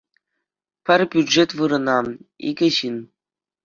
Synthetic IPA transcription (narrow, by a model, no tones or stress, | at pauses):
pʲɘ̆rʲbʲydʐet̪ʋɯɾɤ̆nɑḭɡʲɘ̆ʑin